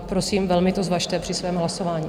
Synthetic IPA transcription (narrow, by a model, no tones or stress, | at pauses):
pɾo̞siːmvɛlmɪt̪ozvaʃt̪ɛpr̥ɪsvɛːmɦlaso̞vaːɲiː